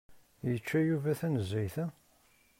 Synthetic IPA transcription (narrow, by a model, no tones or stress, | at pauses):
jət͡ʃːæjuvæθænəzːæjθæ